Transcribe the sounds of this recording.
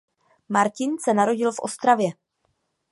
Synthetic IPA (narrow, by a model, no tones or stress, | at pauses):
maɾcɪnsɛnaɾo̞ɟɪlfʔo̞st̪ɾavjɛ